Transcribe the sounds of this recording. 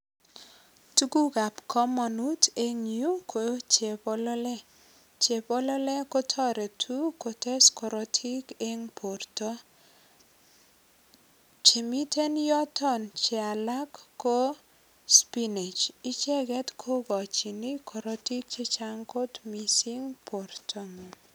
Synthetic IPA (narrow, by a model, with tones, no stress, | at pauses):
tu˦ɡu˦ɡa˨pkʰɔ˦mɔ˨nute˦ŋju˦kʰo˨t͡ʃe˨pɔlɔlɛ | t͡ʃe˨pɔ˦lɔ˦lɛ˦ko˦tʰɔ˦ɾe˨tʰu˦ko˨te˦skɔ˨ɾɔtʰi˦keŋpʰo˨rtɔ˦ | t͡ʃe˨mi˦te˦njɔ˦tɔ˦nt͡ʃe˨a˨la˦kːo˦ | spine˨t͡ʃi˦t͡ʃɛ˦ɡɛ˦tkʰo˦ɡɔ˨t͡ʃi˨ni˦kʰɔ˨ɾɔti˦k̚t͡ʃe˦t͡ʃaŋko˦tmisi˦ŋpʰo˨ɾtʰɔŋu˨